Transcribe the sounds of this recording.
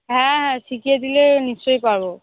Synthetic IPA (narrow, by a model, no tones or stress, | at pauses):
ɦɛ̃ɦɛ̃tʰikied̪ilenist͡ʃɔjpaɹbɔ